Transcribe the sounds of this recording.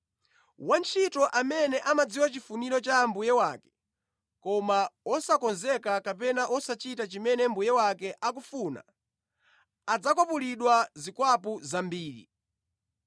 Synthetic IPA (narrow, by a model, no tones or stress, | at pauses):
want͡ʃʰitɔʔamɛnɛʔamad͡ziwat͡ʃifuniɾɔt͡ʃambujɛwakɛ̥ | kɔmaɔsakɔnzɛkakapɛnaʔɔsat͡ʃitat͡ʃimɛnɛmbujɛwakɛʔak̬ufuna̰ | d͡zakɔpuliɗwazikwapuzambiːɾḭ